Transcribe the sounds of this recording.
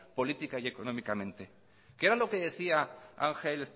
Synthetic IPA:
po̞lit̪ikaie̞ko̞nõ̞mikamẽ̞nt̪e̞ | keeɾalo̞ke̞ðe̞θiaa̰ŋxel

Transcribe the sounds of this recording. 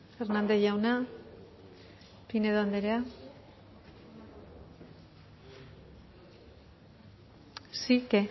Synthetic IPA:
feɾnand̪eʝawna | pineðoand̪eɾea | sike

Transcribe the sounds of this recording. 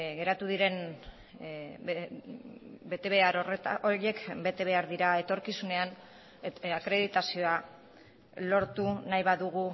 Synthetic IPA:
ɣe̞ɾat̪uðiɾe̞n | be̞t̪e̞βe̞aɾoret̪aʔoɾie̞kbe̞t̪e̞β̞e̞aɾðiɾae̞t̪o̞ɾkisune̞an | akɾe̞ðit̪asio̞a | lo̞ɾt̪unajβaðuɣu

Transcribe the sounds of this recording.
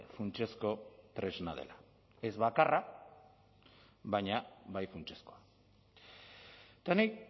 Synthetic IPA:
funt͡ʃe̞sko̞t̪ɾe̞znað̞e̞̰la | e̞zβakara | βajɲaβajfunt͡ʃe̞sko̞a | t̪ani

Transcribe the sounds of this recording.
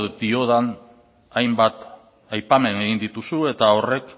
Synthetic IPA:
d̪io̞ðan | ajmbat̪ | ajpame̞ne̞ɣind̪it̪usue̞t̪ao̞re̞k

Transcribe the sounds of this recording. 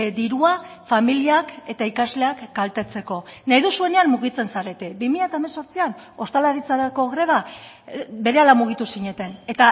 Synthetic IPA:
d̪iɾuafamiliake̞t̪aikazle̞akɡalt̪e̞t͡se̞ko̞najðusue̞ne̞anmuɣ̞it͡se̞nsaɾe̞t̪ebimiʎat̪aemeso̞ɾt͡sian | o̞st̪alaɾit͡saɾako̞ɣɾe̞β̞a | be̞ɾe̞alamuɣ̞it̪usiɲe̞t̪e̞ne̞t̪a

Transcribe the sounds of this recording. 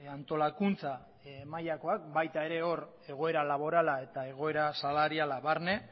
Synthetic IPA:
ant̪o̞lakunt͡sa | majako̞akbajt̪ae̞ɾe̞o̞r | e̞ɣ̞o̞e̞ɾalaβo̞ɾalae̞t̪ae̞ɣ̞o̞e̞ɾasalaɾialaβaɾne̞

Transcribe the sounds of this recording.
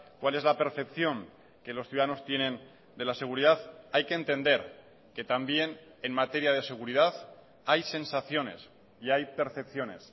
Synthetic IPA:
kwale̞zlape̞ɾθe̞pθjo̞ŋ | ke̞lo̞sθjuðaano̞st̪je̞nẽ̞n | d̪e̞lase̞ɣ̞uɾiðaðajke̞ːnt̪e̞nd̪e̞ɾ | ke̞t̪ambje̞n | enmat̪e̞ɾjað̞e̞se̞ɣ̞uɾið̞að | ajse̞nsaθjo̞ne̞̰s | iajpe̞ɾθe̞p̚θjo̞ne̞̰s

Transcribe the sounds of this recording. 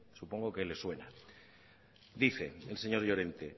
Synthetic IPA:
supo̞ŋɡokeelːe̞swe̞na | d̪iθe̞else̞ɲo̞ɾʎo̞ɾe̞nt̪e̞

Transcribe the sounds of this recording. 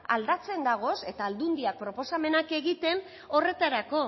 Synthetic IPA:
a̰ld̪at͡se̞nd̪aɣ̞o̞se̞t̪aːld̪und̪iak̚pɾo̞po̞same̞nake̞ɣit̪e̞n | o̞re̞t̪aɾako̞

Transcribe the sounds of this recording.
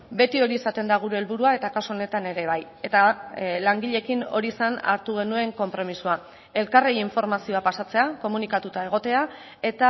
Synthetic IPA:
be̞t̪io̞ɾiesat̪e̞nd̪aɣ̞uɾe̞ːlβuɾuae̞t̪akasuo̞ne̞t̪ane̞ɾe̞β̞aj | e̞t̪alaŋɡiʎe̞kino̞̰ɾiːsana̰ɾt̪uɣ̞e̞nue̞ŋko̞mpɾo̞misua | e̞lkarejiɱfo̞ɾmasio̞apasat͡se̞ako̞munikat̪ut̪ae̞ɣ̞o̞t̪e̞a | e̞t̪a

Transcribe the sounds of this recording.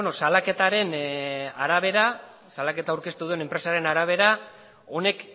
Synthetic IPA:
onosalake̞t̪aɾe̞naɾaβ̞e̞ɾa | salake̞t̪awɾke̞st̪uðue̞ne̞mpɾe̞saɾe̞naɾaβ̞e̞ɾa | o̞ne̞k

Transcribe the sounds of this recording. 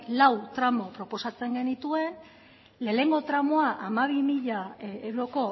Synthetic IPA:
lawt̪ɾamo̞pɾo̞po̞sat͡se̞ŋɡe̞nit̪ue̞n | le̞ːne̞ŋɡo̞t̪ɾamoaʔamaβ̞imiʎae̞wɾo̞ko̞

